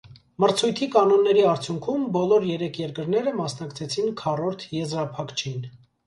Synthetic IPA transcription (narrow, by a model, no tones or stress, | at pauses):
məɾt͡sʰujt̪ʰikɑnɔnːɛɾiɑɾt͡sʰjuŋkʰumbɔlɔɾjɛɾɛkʰjɛɾkəɾnɛɾəmɑsn̪ɑkt͡sʰɛt͡sʰinkʰɑrɔɾt̪ʰjɛzɾɑpʰɑkt͡ʃʰin